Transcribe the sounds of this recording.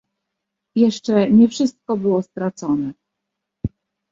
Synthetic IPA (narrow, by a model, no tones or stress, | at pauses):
jɛʂt͡ʂɛɲɛfʂɘst̪̚kɔbɘwɔst̪ɾat̪sɔnɛ